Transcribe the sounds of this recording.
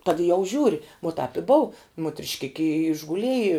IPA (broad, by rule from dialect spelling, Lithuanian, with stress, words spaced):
tɐt jɛʊ ˈʒʲuːrʲɪ ʋoː tɑːp ɪ ˈboːʊ mʊtʲrʲɪʃʲˈkʲɪkʲɪ ɪ ɪʒɡʊˈlʲiɛjɪ